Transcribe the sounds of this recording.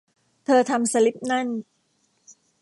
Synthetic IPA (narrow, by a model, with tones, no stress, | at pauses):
t̪ʰɤː˧t̪ʰa˧msa˧li˦˥p̚na˥˩n